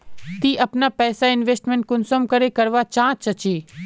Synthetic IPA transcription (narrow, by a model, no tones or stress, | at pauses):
t̪iːʔɐpnapɛːsaɪnʋeːsʈmẽɳʈ̚kʊnsəmkɐɾekɐɾʋat͡ʃãːt͡ʃɐt͡ʃiː